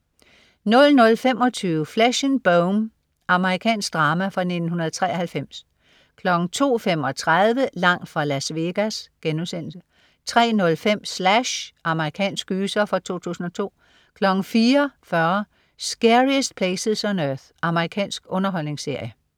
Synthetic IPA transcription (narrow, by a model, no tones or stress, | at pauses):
nɔ̽lnɔ̽lfem̰ɒ̽t͡sʰyːʊəflæɕənb̥oʊm | ʔɑ̈məʁikʰɛ̰ːnsɡ̥̚d̥ʁɑ̈ːmæfʁɑ̈ne̝d̥n̩unɐðˠt͡sʰʁɛ̰ːɐhælfem̰s | kʰlɒ̽ɡ̥n̩t͡sʰo̝̰ːfem̰ɒ̽t͡sʰʁaðˠʋəlɑ̈ŋ̰d̥fʁɑ̈læsʋe̝ɡ̥æsɡ̥enusen̰l̩sə | t͡sʰʁɛ̰ːnɔ̽lfem̰slæɕʔɑ̈məʁikʰɛ̰ːnsɡ̥yːsɐfɒt͡sʰo̝̰ːt͡sʰṵːsn̩ɒ̽t͡sʰo̝̰ː | kʰlɒ̽ɡ̥n̩fiːɐfɶɐ | sɡ̥eʁisd̥̚pʰleɪseðˠsɒnøθ | ʔɑ̈məʁikʰɛ̰ːnsɡ̥ɔ̽nɐɦɒ̽l̰ne̝ŋse̝ɐ̰jə